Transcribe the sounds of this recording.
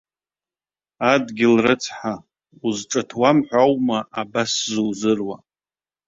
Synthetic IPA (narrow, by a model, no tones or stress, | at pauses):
adɡʲɪlrɨt͡sʰħa | uzʈ͡ʂʼatʰwamħʷawmaʔabaszuwzɨrwa